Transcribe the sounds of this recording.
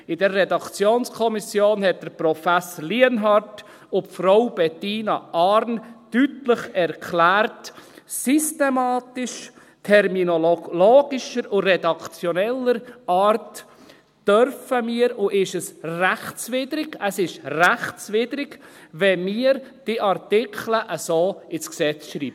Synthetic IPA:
ɪdərːɛdɑkt͡sjoːnskʰɔmisjoːnhɛt̚d̥əɾprɔfæsəliənɦɑɾt | ʊfɾoʊb̥ɛtiːnɑʔɑːɾnːytləχɛɾkʰlæːɾtsystɛmɑːtɪʃ | tʰɛɾminolloːɡ̥ɪʃəɾʊrɛdɑkt͡sjonɛləɾɑːɾt | d̥œɾfəmiːɾʊʔɪʃəsræχt͡sʋɪdɾɪɡəsɪʃræχst͡sʋɪd̥ɾɪɡʋɛmiəɾd̥iʔɑrtɪkʰləʔəsoːɪsksɛt͡sʃɾiːb

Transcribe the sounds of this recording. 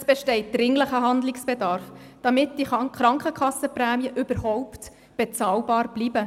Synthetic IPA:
əsb̥ɛʃtɛɪt̚d̪̥ɾɪŋləχəɦɑnd̪lɪksb̥edɑɾfd̥ɑmɪt̚d̥iχɾɑŋkχəkʰɑsəpɾæːmiəʔʏbəɾhɔwpt | b̥et͡sɑːlbɑːɾb̥liːbə

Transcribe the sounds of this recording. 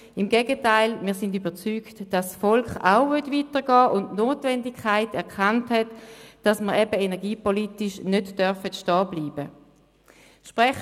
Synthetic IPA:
ɪmɡeːɡətaɪlmiːɐsɪndybəʁt͡syːktd̥ɑsːfɔlkχa̰ʊvʏɐtviːtəʁɡɑːʔʊntnoːtvɛndikʰːaɪtɛʁkʰanthɛtd̥ɑsməʁɛbəenɛɐɡiːpolitɪʃnødd̥œʁfətʃtɑːbliːbə | ʃpʁɛχ

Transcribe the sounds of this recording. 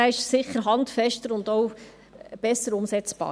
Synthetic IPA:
æɪʃsɪχəɾɦɑntfɛʃtəɾʊndoʊ | b̥ɛsəɾʊmsɛt͡sb̥ɑ̰ː

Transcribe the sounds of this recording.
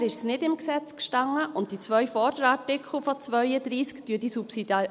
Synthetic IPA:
ɾɪʃsnɪdɪmksɛt͡skʃtɑŋːəʔʊntd̥it͡sʋœʏfɔdəɾɑtɪkχl̩ˠfɔt͡sʋœʏədɾiːskd̥yːd̥isupsidɑ

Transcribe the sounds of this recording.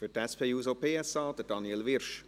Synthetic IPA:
fytɛspʰeːjuːsopʰeːɛsɑːd̥̪əd̥ɑnjɛlʋɪrʃ

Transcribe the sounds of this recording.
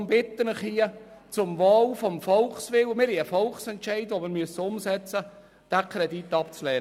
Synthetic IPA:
mbɪt̪ːənəχhiət͡sʊmvɑːlfɔmfɔlχsʋɪlmɪɾhiəfɔlχsɛntt͡ʃɛɪdʋomɪɾmyəsəʊmsɛt͡sə | d̥ækʰɾedit̪ːɑpt͡slɛː

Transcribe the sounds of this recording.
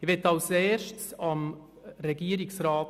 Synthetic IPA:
ɪʋɛtːɑlseːɾʃtsɑm | ɾɛɡiəɾɪksɾɑːt

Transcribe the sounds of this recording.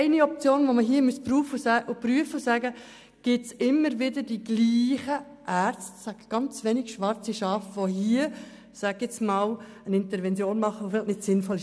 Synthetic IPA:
ɪniɔp̚t͡sjoːnʋoməɦiːəmyəspruːfəʊsæʔʊpɾyəfəʊsæɡə | ɡ̥ɪtsɪmːəɾʋɪdədiɡ̥liːχə | ʔæːɾt͡stsæɡ̥ɡ̥ɑnt͡sʋɛnɪɡʃʋɑɾt͡siʃɑːfʋoɦiːə | sæɡɛt͡smɑːl | ənɪntəɾvɛnt͡sjoːnmɑχːəʋofɪlnɪtsɪnfɔlɪʃ

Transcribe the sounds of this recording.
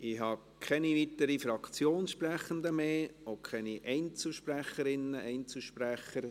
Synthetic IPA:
ɪhɑ | kʰɛniʋit̪əɾifɾɑkt͡sjoːnsʃpræχənd̪əmeːokʰɛniʔɛɪnt͡sl̩ʃpræχəɾɪnːəʔɛɪnt͡sl̩ʃpræχəɾ

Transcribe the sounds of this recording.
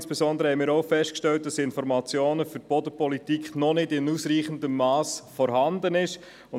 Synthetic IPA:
nsb̥ɛsɔndəɾəhɛɪmɪːɾoʊfɛʃtkʃtɛlt̚d̥ɑsɪnfɔɾmɑt͡sjoːnəfʏt̚pɔdəpɔlitikχnɔnɪdɪnuːsɾiːχəndəmːɑːsfɔɾhɑndənɪʃ | ʊn

